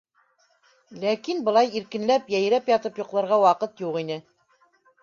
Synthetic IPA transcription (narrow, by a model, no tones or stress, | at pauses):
lækinbɤ̆lˠɑjiɾkɘ̆nlæpjæj̆ɾæpjɑt̪ɤpjŏqlˠɤ̆ɾʁɑwɑqɤt̪juqinɘ